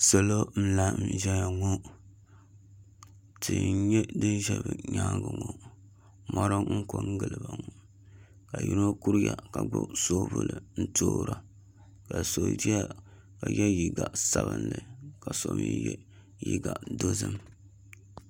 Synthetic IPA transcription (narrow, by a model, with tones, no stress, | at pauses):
so˨lo˦n̩˦la˦˨mʒɛ˦ja˨ŋo˦ | tɨ˨˦ɲɛ˦dɨ˦nʒɛ˦˨bɨ˨ɲaː˦ɡɨ˨ŋo˨ | mɔ˦ɾɨ˦ŋ̩˦ko˦ŋ˦ɡɨ˨lɨ˨ba˨ŋo˨ | ka˨ji˦no˦ku˦ɾja˨ka˨ɡ͡bo˦so˦bṵ˦lɨ˨n̩˦toː˦ɾa˨ | ka˨so˨di˦a˦ | ka˨jɛ˦ji˨ɡa˨sa˦bɨ˦nlɨ˨ka˨so˨˦mḭ˦jɛ̰˦ | ji˦ɡa˨do˦zɨ˦m